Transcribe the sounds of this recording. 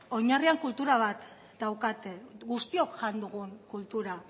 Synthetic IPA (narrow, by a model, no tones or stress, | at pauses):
o̞ɲariaŋkult̪uɾaβ̞at̪ | d̪awkat̪e̞ɡust̪io̞kʝand̪uɣ̞uŋkult̪uɾa